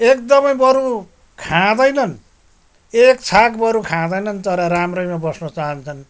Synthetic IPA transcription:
ekd̪ʌmʌjbʌɾu | kʰãd̪ʌjnʌn | ekt͡sʰakbʌɾukʰãd̪ʌjnʌnt̪ʌɾʌɾamrʌjmabʌsnʌt͡saɦʌnt͡sʰʌn

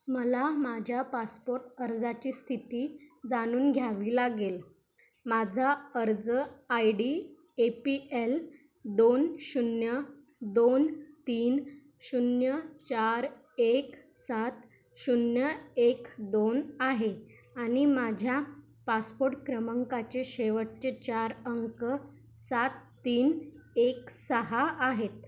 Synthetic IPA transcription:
məlamad͡ʑʱjapaspoɾʈəɾd͡zat͡ɕiːst̪ʰit̪iːd͡zañuːnɡʱjaʋilaɡel | mad͡zʱaəɾd͡zəajɖi | epiel | d̪onɕunjə | d̪ont̪iːn | ɕunjət͡ɕaɾ | eksat̪ | ɕunjəekd̪onaɦe | añimad͡ʑʱja | paspoɾʈkɾəməŋkat͡ɕeɕeʋəʈ̚t͡ɕet͡ɕaɾəŋkə | sat̪ːiːneksəɦaːɦet̪

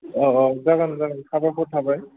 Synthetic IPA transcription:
ɔɔzaɡanzaɡantʰabaxʰɔtʰabaj

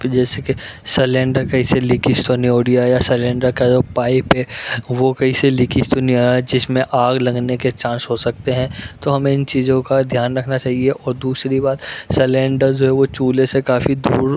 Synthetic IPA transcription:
d͡ʒɛːseke | sɛlɛ̃ːɳɖəɾkɐiselɪkist̪onioːɽijajasɛlɛ̃ːɳɖəɾkad͡ʒoːpaːɪpɦɛːʋokɐɦiselɪkist̪onioaɦd͡ʒɪsmẽʔaːɡlɐ̃ŋɡneket͡ʃãːsɦosɐk̚t̪eɦɛ̃t̪oɦɐmẽɪnt͡ʃiːzõkad̪ʱjaːnɾɐkʰnat͡ʃaːɦieʔɔːɾd̪uːsɾibaːt̪selẽːɳɖəɾd͡ʒoːɦɛʋot͡ʃuːlesekaːfid̪ṵːɾ

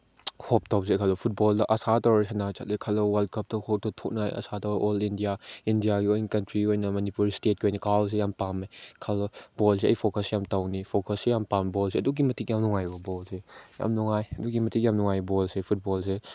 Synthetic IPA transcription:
hʰop̚taws̬ekʰalɔpʰut̚bɔldɐʔɐsatawɐɾsʰanat͡ʃʰa̰t̚lekʰalɔwɐl̚kʰɐp̚tɐkʰop̚tɔtʰok̚najɐ̰satawʔɔlindijaindijaɡiojnkɐntɾiojnɐmɐnipuɾstet̚kiojnɐkaws̬ejampamekʰalɔbɔls̬eɐ̰jpʰokʰɐsejamtawnipʰokʰɐsːejampambɔlseɐduk̬imɐtik̚jamluŋajbɔbɔlseja̰mluŋajɐdukɡimɐtʰik̚jamluŋajbɔlsepʰut̚bɔls̬e

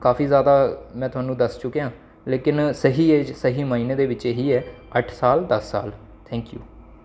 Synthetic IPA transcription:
kaːfiːzjaːd̪aːmɛ̃ːt̪ʊaːnũːd̪əst͡ʃʊkeãː | leːkɪnsəɦiːeːsəɦiːmaːiːneːd̪eːʋɪt͡ʃeɦiːɛːəʈʰsaːld̪əsːa̰ːl | t̪ʰɛ̃ːŋkjṵː

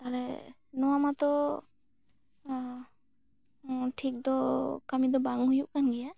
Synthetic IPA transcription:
alɛ | nɔwamat̪ɔ | ʈʰik̚d̪ɔkamid̪ɔbaŋɦujuʔkanɡɛja

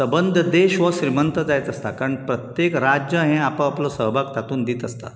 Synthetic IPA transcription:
səbənd̪ʱəd̪eɕʋəɕɾimənt̪əd͡zajt̪əst̪akaɾəɳpɾət̪jekɾad͡ʑjəɦẽapə̃aplɔsəɦbʱakt̪at̪uːnd̪iːt̪əst̪a̰

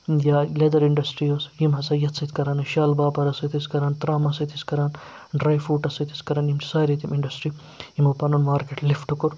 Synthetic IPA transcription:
jaːled̪ɐɾiɳɖɐsʈɾiːoːsjimɦɐsɐːjɐt̪sɐt̪ʰkɐɾaːnɨʃaːlbaːpɐɾɐsɐt̪ʰiskɐɾaːnt̪ɾaːmɐsɐt̪ʰiskɐɾaːnɖɾaːjfuːʈɐsɐt̪ʰiskɐɾaːnjimt͡ʃʰi̥saːjɾit̪imʔiɳɖɐsʈɾi | jimupɐnunmaːɾkeʈlifʈukuɾ

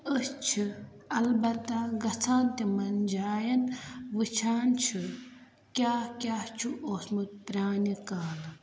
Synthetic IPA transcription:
əst͡ʃʰɨ | ɐlbɐt̪ːaɡɐt͡sʰãːnt̪imɐnd͡ʒaːjɐnʋɨt͡ʃʰaːnt͡ʃʰɨ | kʲaːkʲaːt͡ʃʰuʔoːsmut̪̚pɾʲaːnikaːlɨ

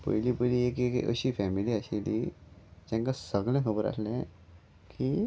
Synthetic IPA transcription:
pə̰jlipəjlieːkekə̰ɕifʰɛmiliaɕelid͡ʑɛ̃ŋkasəɡlẽkʰəbəɾa̰slẽ | kʰi

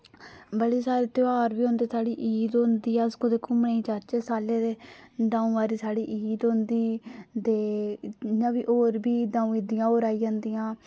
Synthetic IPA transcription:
bəɽiːsaːɾeːt̪ɪaːɾbiːɦõnd̪eːsaːɽiːʔiːd̪õnd̪iːaːskod̪eːkʊmɳeːĩːt͡ʃaːt͡ʃeːsaːleːd̪eːɖãːũːʋaːɾiːsaːɽiːʔiːd̪õnd̪iːd̪eː | nãːbiːʔoːɾbiːɖãːũːiːd̪ɪjãːoːɾaːiːd͡ʒãːnd̪ijãː

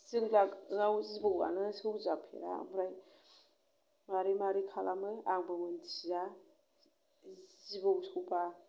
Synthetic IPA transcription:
zɯŋlakŋawzibɯwa̰nɯsɯwzapʰḛɾa̰bɾaj | maɾimaɾikʰalamɯaŋbɯmɯndiza | zibɯwsɯwba

